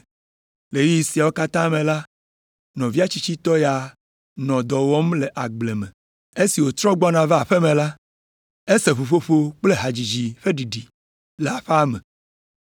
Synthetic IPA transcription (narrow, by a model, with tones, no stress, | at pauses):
le˨ji˦i˨si˨a˨wo˦ka˦t̪ã˦mẽ˨la˦ | nɔ̃˨vi˦a˦t͡ɕi˦t͡ɕi˦t̪ɔ˦ja˨ | nɔ̃˨d̪ɔ˨wɔ˦mle˨ʔa˨ɡ͡ble˨mẽ˨ | e˦si˨wo˨t̪ɾɔ̃˦ɡ͡bɔ˦nã˨vɛ˦a˨ɸe˦mẽ˨la˦ | e˦se˨ɸo˨ɸo˦ɸo˦k͡ple˦ɦa˨d͡ʑi˨d͡ʑi˨ɸe˦ɖi˨ɖi˨ | le˨a˨ɸa˦me˨